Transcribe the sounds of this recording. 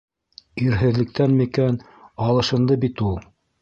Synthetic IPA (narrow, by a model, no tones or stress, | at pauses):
iɾɦɘ̆ðlɘ̆k̚t̪ænmikæn | ɑlˠɤ̆ʃɤ̆nd̪ɤbit̪ulˠ